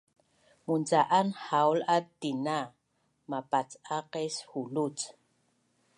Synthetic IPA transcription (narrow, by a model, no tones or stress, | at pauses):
munt͡saʔanhawlat̪ːina | mapat͡saqeshulut͡s